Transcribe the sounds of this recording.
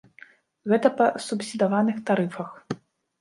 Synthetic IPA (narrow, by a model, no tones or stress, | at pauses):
ɣɛt̪ɐpɐsupsʲid̪avanɨxt̪aɾɨfɐx